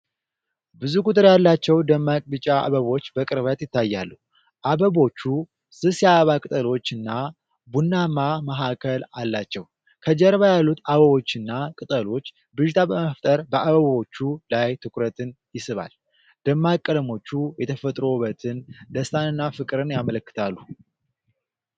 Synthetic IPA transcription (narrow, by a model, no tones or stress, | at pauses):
bɨzukʰʼut̪ʼɨɾjalːat͡ʃːɛwd̪əmːakʼbɨt͡ʃʼaa̰βəβo̞t͡ʃːbəkʼɨɾβat̪jɪt̪ːajːalːu | ʔaβəβo̞t͡ʃːu | sɨsjaβakʼɨt̪ʼəlo̞t͡ʃːɨnːa | bunːamaməɦakʰəlalːat͡ʃːɛw | kʰəd͡ʒɛɾβajalːut̪aβəβo̞t͡ʃːɨnːakʼɨt̪ʼəlo̞t͡ʃː | bɨʃt̪ʰabəməft̪ʼəɾbəʔaβəβo̞t͡ʃːulajt̪ʰɨkʷʰʼɾət̪ʰɨnjɪsɨβa̰l | d̪̥əmːakʼːəlmo̞t͡ʃːujɛt̪ʰəfət̪ʼɾo̞βət̪ʰɨnd̪əst̪ʰanɨnːafɨkʼɨɾɨnjamələkːɨ̥t̪ʰalːu